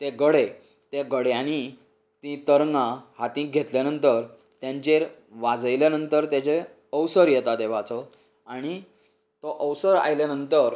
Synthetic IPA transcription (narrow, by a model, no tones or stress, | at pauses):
t̪eɡəɽe | t̪eɡəɽeañi | t̪ĩt̪əɾŋɡãhat̪ĩɡʱet̪ljanənt̪əɾ | t̪jãɲt͡ɕeɾ | ʋad͡zəjljanənt̪əɾt̪jat͡ɕe | əwsəɾjɛt̪ad̪eʋ̤at͡sɔ | aɽ̃i | t̪ɔʔəwsəɾa̰jljanənt̪əɾ